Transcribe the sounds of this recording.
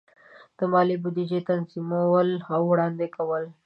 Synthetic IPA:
d̪̥əmɑlibʊd̪id͡ʒet̪anzimawəlawɽɑnd̪ekawəl

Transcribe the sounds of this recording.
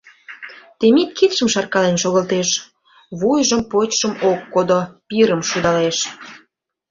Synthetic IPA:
t̪emit̪̚kit̪ʃəmʃɑrkɑlenʃoɣəlt̪eʃ | βujʒəmpot͡ɕʃəmokːod̪opiɾəmʃud̪ɑleʃ

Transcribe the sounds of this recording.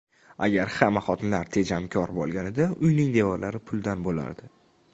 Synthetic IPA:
a̰ɡʲaɾhamːaχɒt̪ʰɪnlaɾt̪ʰe̞d͡ʒamkʲʰɒɾbɒlˠɡʲanɪd̪aʊjnɪŋd̪evɒɾlaɾɪpʰʊlˠd̪anbola̰ɾd̪ɪ

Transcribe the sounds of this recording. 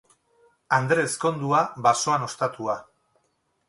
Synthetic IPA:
and̪ɾe̞sko̞nd̪uaβaso̞ano̞st̪at̪ua

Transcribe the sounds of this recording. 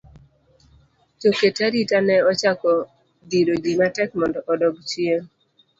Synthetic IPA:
t͡ʃoketaɾitanɛɔt͡ʃakɔ | diɾod͡ʒimatɛk̚mɔndɔʔɔdɔɡt͡ʃie

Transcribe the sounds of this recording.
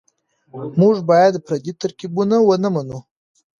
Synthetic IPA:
muʐbɑjad̪pɾad̪it̪aɾkibunawənamanu

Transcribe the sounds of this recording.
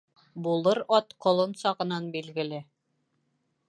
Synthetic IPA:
bulˠɤɾɒt̪qŏlˠɤnsɑʁɤ̆nɑnbilɡɘ̆lɘ

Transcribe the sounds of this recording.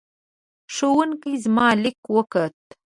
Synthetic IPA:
ʂowunkizmɑlɪkwəkət̪

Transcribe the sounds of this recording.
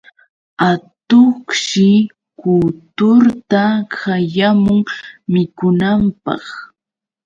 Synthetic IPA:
at̪oχʃɪ | kut̪ʊɾt̪akajamʊŋmɪkʊnampɑ̰χ

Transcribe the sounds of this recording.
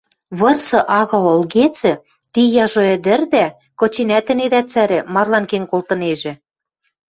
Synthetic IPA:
βɤ̆rsɤ̆ʔɑɣɤ̆lŏlɣet͡sɘ̆ | t̪ijɑʒoɘ̆d̪ɘ̆rd̪æ | kŏt͡ɕinæt̪ɘ̆ned̪æt͡sæɾɘ̆mɑrlɑnkenkolt̪ɤ̆neʒĕ

